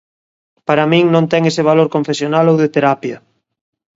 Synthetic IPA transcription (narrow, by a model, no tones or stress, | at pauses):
paɾamĩŋnõnt̪ɛŋeseβ̞aloɾkõɱfesjonalowðet̪eɾapjɐ